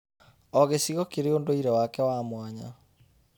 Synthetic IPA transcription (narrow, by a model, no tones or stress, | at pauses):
ɔɣesiɣɔkeɾeondoiɾɛwakɛwamwaɲa̰